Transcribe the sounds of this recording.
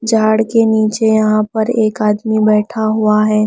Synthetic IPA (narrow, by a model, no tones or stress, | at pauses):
d͡ʒʱaːɽkeniːt͡ʃejɐɦãpɐɾeːkaːd̪mibɛːʈʰaɦuaɦɛː